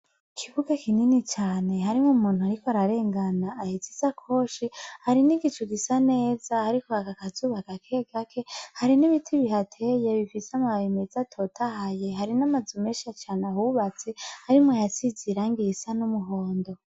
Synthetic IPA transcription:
kʰiβuɡakininit͡ʃaːne̞haɾimŋoumuːn̥huhaɾikoaɾaɾe̞ːŋɡanaːhizizakʰo̞ʃihaɾiniɡit͡ʃuɡisane̞ːzahaɾikohakakazuːβakakʰeɡakʰe̞haɾiniβitʰiβiɦatʰe̞jeβifiseamaaβimezatʰo̞tʰaɦajeɦaɾinamazumeʃat͡ʃaːnahuβat͡se̞haɾimŋajat͡siziɾaŋɡisanumuɦoːndo̞

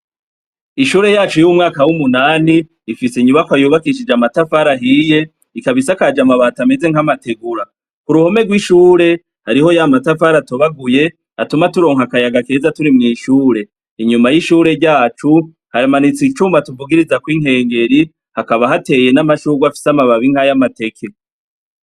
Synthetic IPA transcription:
iʃuːɾe̞jaːt͡ʃujumŋaːkawumunaːniː | fisiɲuβakwajuːβakiʃ̬id͡ʒamatafaɾaɦiːje̞ | ikaβisakad͡ʒamaβaːtame̞ze̞ŋhamate̞ɡuɾa | kuɾuho̞me̞ɡwiʃuːɾe̞ | haɾiho̞jamatafaɾatoβaɡuje̞ | atumatuɾo̞ːŋhakajaɡake̞ːzatuɾimŋiːʃuːɾe̞ | iɲumajiʃuːɾe̞ɾɟaːt͡ʃu | hajamanit͡sit͡ʃuːmbatuvuɡiɾizakwiŋɦe̞ːŋɡe̞ɾi | hakaβaɦate̞je̞namaʃuɡwafi̥samaβaβiŋ̥hajamate̞kʰe̞

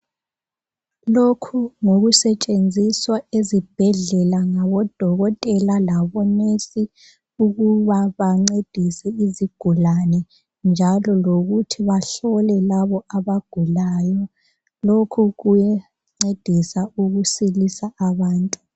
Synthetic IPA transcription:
lokʰuŋoɣusɛt͡ʃʼend͡zʱiswaezib̥ʱɛɮɛlaŋaβɔd̥ʱɔɣɔtʼɛlalaβɔnesi | uɣuβaβaŋ͡ǀed̥ʱisɛiziɡ̥ʱulanɛ | nd͡ʒʱalɔloɣutʰiβaɬɔlɛlaβɔaβaɡ̥ʱulaːjɔ | lokʰuɣujɛ | ŋ͡ǀed̥ʱisauɣusilisaaβaːntʼu

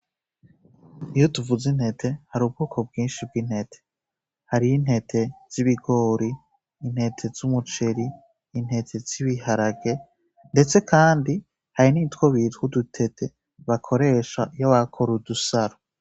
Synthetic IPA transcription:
ijotuvuzin̥he̞tʰe̞haɾuːb̚ɡoːkʰob̚ɡiːnʃib̚ɡin̥he̞tʰe̥ | haɾijin̥he̞tʰe̞z̥iβiɡo̞ːɾiː | n̥he̞tʰe̞zumut͡ʃe̞ɾiː | n̥he̞tʰe̞z̥iβihaɾaɡe̞ | nde̞t͡se̞kʰaːndi | haɾiniːtkwoβithudutʰe̞tʰe̞ | βakʰo̞ɾe̞ʃajaβakʰoɾudusaɾo

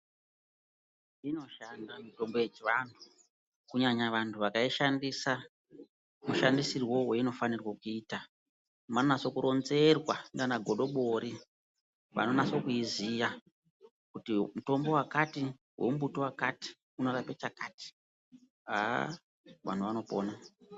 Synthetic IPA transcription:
ino̞ʃandamito̞mbo̞jet͡ʃiʋantʰu̥ | kuɲaɲaʋantʰuʋakaiʃandisa | muʃandisirwo̞we̞ino̞fanirwokuiːta | manonaso̞kuɾʔo̞nze̞rwandanaɡʱoɗo̞ɓoɾi | ʋa̰no̞naso̞kuizija | kutimuto̞mbo̞wakati | wʔe̞̰mubutowakati̥ | uno̞rapet͡ʃakaːti̥ | ɦa | ʋa̰n̤uʋano̞poːna

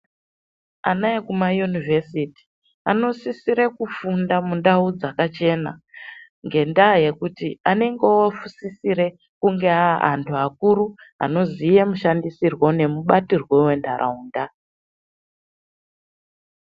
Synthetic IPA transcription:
a̰naekumajunivʱesiti̥ | ano̞sisiɾe̞kufundamundaud͡zakat͡ʃe̞na̰ | ŋɡe̞ndaːje̞kutiane̞ŋɡeofusisiɾe̞ | kuŋɡe̞aʔa̰ntʰuakuɾua̰no̞zije̞muʃandisirwo̞ne̞muɓatirwe̞we̞ndarʔa̰uːnda

